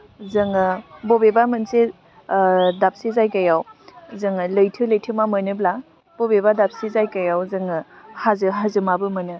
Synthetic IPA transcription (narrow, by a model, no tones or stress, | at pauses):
zɯŋɯbobebamɯnse | dap̚sizajkajawzɯŋɯləjtʰɯləjtʰɯmamənɯbla | b̥obebadap̚sizajkajawzɯŋɯ | hazɯɦazɯmabɯmɯnɯ